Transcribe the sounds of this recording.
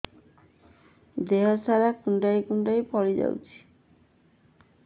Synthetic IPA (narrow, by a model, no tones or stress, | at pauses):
d̪eɦɔsaɾakuɳɖajkuɳɖajpɔɽid͡ʒa̰wt͡ʃʰi̥